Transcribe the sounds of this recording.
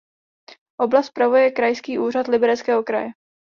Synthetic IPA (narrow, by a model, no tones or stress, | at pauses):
ʔo̞blast̪̚pɾavujɛkɾajskiːʔuːr̝at̪lɪbɛɾɛt͡skɛːɦo̞kɾa̰jɛ